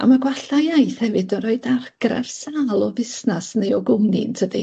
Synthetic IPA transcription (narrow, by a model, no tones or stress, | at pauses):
a̰maɡwaɬajajθhɛvɨdəɾɔɨdarɡ̥ra̰rsaːlˠɔvɪsnasnejɔɡʊnḭntʰədḭ